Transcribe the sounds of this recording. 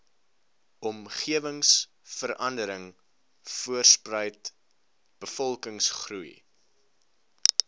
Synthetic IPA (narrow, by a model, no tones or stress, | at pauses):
ʔɔmχiəvəŋs | fəɾɐndəɾəŋ | fuərsprəjt | b̥əfɔlˠkəŋsχruj